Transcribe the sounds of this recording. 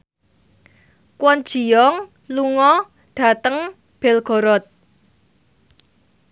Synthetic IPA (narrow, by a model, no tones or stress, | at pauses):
kwɔn̥ʒ̥i̤jɔŋ | luŋɔ | ɖ̥ä̤t̪əŋ | b̥ɛlɡ̥ɔ̤ɾɔt̪̚